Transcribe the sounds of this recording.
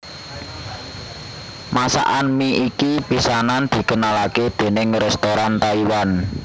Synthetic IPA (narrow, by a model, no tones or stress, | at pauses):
masa̰ʔanmiikipisanand̪̥i̤kənalaked̪̥e̤nɪŋrɛst̪oɾant̪aiwan